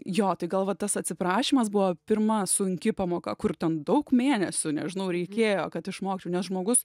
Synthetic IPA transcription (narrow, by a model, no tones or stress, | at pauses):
joːt̪ɐɪɡɐlˠʋɐt̪ɐsɐt̪ʲsʲɪpɾɑːʃʲiːmɐs̬bʊʋopʲɪrmɐsʊŋʲkʲɪpɑːmoːkɐkʊrt̪ʲɛnd̪ɐʊkmʲeːnʲɛsʲʊnʲɛʒʲɪnɐʊɾʲɛɪkʲeːjoːkɐt̪ɪʃmoːkʲt͡ʃʲɛʊnʲɛsʒmoːɡʊs